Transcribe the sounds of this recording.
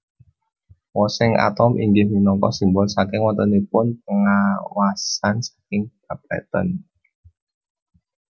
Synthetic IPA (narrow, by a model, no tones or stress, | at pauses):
wɔsɪŋa̰t̪ɔmʔḭŋɡɪhminɔŋkɔ̰simbɔlsakɪŋwɔnt̪ɔnipʊnpəŋawasansḁkɪŋɡ̥ab̥a̰t̪ə̰n